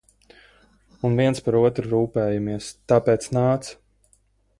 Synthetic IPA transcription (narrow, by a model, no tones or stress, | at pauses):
unviɛnspaɾuɔt̪ɾɾuːpɛːjamiɛst̪aːpɛːt̪snaːt̪s